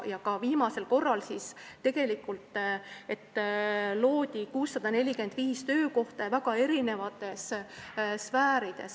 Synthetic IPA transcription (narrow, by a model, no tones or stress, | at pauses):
jɑkɑviːmɑse̞lko̞rːɑlsist̪e̞ɡ̥e̞likːˑult̪ːˑe̞t̪ːloːd̪̥ʲikuːsːɑd̪̥ɑne̞lʲikyend̪̥viːst̪ø̞ːko̞ht̪ɑvæɡ̥ɑe̞ɾine̞vɑt̪ːˑe̞s | svæːɾid̪̥e̞̰s